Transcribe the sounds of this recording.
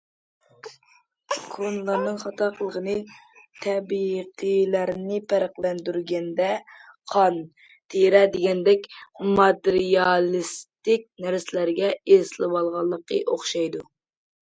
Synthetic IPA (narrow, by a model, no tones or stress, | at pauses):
kʰonlˠɑɾnɨŋχɑt̪ʰɑqəlˠəʁənɨt̪ʰɛbiqʰəlæɾnɪpʰæɾɪqlɛnd̪yɾɡʲɛnd̪ɛ | qʰɑn | t̪ʰeɾɛd̪eɡʲɛnd̪ɛkʲmɑt̪eɾijɑlˠɨst̪ɪkʲnæɾsɪlæɾɡʲɛezlˠɨwɑlˠʁɑlˠːəqːəʔoχʃɑjd̪u